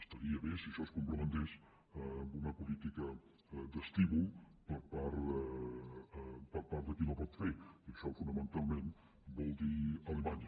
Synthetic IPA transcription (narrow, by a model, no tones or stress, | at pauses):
əst̪əɾiəβesiəʃɔskumpɾumənt̪es | mbunəpulit̪ikə | d̪əst̪iβulˠpəɾpaɾ | pəɾpaɾd̪əkinopɔt̪feiəʃɔfunəmənt̪alˠmen | bɔlˠd̪iəlemaɲə